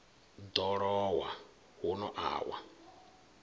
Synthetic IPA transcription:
dɔɾɔwa | hʊnɔʔa̰wa̰

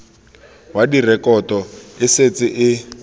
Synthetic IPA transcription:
wadirɛkɔtɔɪset͡sɪʔɪ

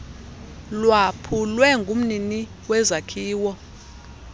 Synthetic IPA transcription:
lwapʰulwɛŋɡʱum̩nini | wɛzakʰiːwɔ

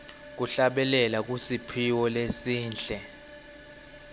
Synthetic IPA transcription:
k̬uɬaɓɛlɛlak̬ʼusipʰiwɔlesiːnɬʼɛ

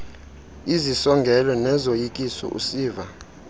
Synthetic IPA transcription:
izisɔŋɡʱɛlɔnɛzojikʼisɔ̰ʔṵsiːva

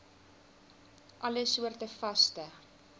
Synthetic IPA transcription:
ʔɐləsuərdəfɐstə

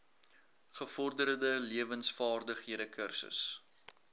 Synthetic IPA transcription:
χəfɔrdəɾədəliəvənsfɑːrdəχɦiədəkʰərsə̰s

